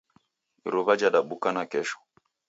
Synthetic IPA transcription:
iɾɔβad͡ʒaɗaɓukanakɛʃɔ̥

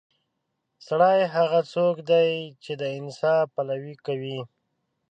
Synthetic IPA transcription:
saɽajɦaɣat͡sokd̪ajt͡ʃed̪əɪnsɑpalawikawi

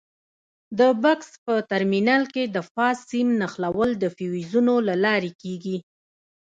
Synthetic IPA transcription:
d̪əbʊkspət̪aɾminɑlked̪əfɑsimnaxlawəld̪əfiwizunolalɑɾekeɡi

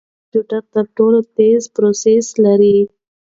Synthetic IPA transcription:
t͡ʃuʈaɾt̪əɾʈolot̪ezpɾoseslaɾi

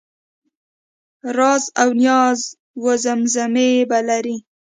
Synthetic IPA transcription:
ɾɑzawnjɑz | wozamzamebalaɾi

